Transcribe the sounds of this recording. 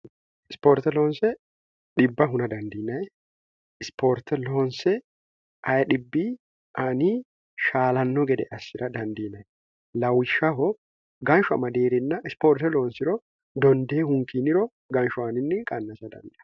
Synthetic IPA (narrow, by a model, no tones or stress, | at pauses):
ɪspoːɾt̪ɛloːnsɛ | ᶑɪbːɐɦʊnɐd̪ɐnd̪iːnɐjɛ | ɪspoɾt̪ɛloːnsɛ | ʔɐjɐᶑɪbːi | ʔɐni | ʃaːlɐnːɔɡɛd̪ɛʔɐsːɪɾɐd̪ɐnd̪iːnɐj | lɐwɪʃːɐɦɔ | ɡɐnʃʊɐ̰mɐd̪eːɾɪnːɐʔɪspoːɾt̪ɛloːnsɪɾɔ | d̪ɔnd̪eːhʊŋkinɪɾɔ | ɡɐnʃʊɐnɪnːɛkʼɐnːɐsɐd̪ɐ̰nd̪ɛɐ